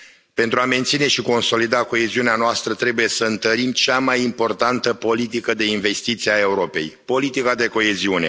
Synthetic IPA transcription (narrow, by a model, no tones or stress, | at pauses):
pe̞nt̪ɾuame̞nt̪sine̞ʃiko̞nso̞lid̪ako̞e̞ziuneanoast̪ɾət̪ɾe̞buje̞səɨnt̪əɾimt͡ʃamajimpo̞rt̪ant̪əpo̞lit̪̬ikəd̪e̞inve̞st̪it̪siae̞uɾo̞pe̞̰jpo̞lit̪ikad̪e̞ko̞e̞ziune̞̰